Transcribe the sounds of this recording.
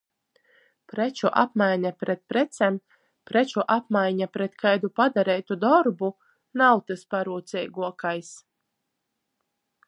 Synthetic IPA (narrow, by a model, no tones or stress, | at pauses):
pɾet͡ʃuʔa̰pmajɲapɾet̪̚pɾɛt̪sɛm | pɾɛt͡ʃuʔap̚majɲapɾeɛt̪kajd̪upad̪aɾɛjt̪ud̪ɔɾbu | nawt̪ɨspaɾuːt̪sɛjɡuɔkajs